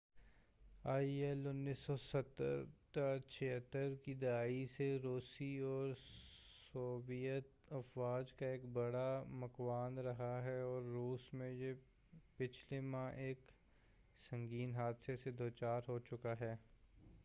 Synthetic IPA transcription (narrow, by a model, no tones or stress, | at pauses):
aːiɛlʊnːisːɔsət̪ːə̰ɾt̪at͡ʃʰeɦət̪ːəɾkid̪ɐaːiseɾoːsiɔːɾsoːʋijət̪ | ɐfʋaːd͡ʒkaeːkbɐɽamɐkwaːnɾɐɦaɦɛɔːɾːuːsmẽje | pɪt͡ʃʰlemãʔeːk | sɐ̃ŋɡiːnɦaːd̪sesed̪ʱoːt͡ʃaːɾɦot͡ʃʊkaɦɛː